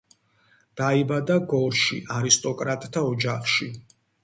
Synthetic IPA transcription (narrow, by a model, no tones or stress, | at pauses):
d̪̥aibad̪aɡɔɾʃḭʔaɾist̪ʼɔkʼɾat̪ʼt̪ʰaɔd͡ʒaχʃi